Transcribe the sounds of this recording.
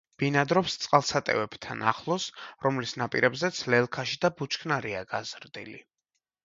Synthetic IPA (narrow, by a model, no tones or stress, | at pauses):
b̥inad̪ɾɔpst̪sʼqʼalˠsat̪ʼɛ̰vɛb̥t̪ʰa̰na̰χlˠɔsɾɔmlisnapʼḭɾɛbzɛt̪sʰlɛlˠkʰaʃid̪abut͡ʃʰkʰnaɾiaɡazɾd̪ḭlḭ